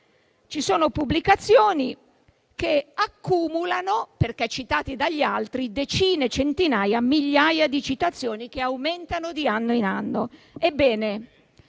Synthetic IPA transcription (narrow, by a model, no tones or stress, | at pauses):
t͡ʃisoːnopubːlikat̪sːjoːni | keakːuːmulanoperkɛt͡ʃːit̪aːt̪id̪aʎːalt̪ɾid̪et͡ʃiːnet͡ʃent̪inaːjamːiʎːajad̪it͡ʃit̪at̪sːjoːnik̟eawment̪anod̪ianːoinanːo | ebːɛːne